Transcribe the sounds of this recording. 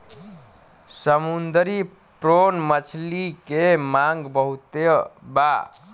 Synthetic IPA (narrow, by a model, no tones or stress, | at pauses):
səmund̪əɾi | pɾonmət͡ʃʰlikemaŋɡbəɦut̪eba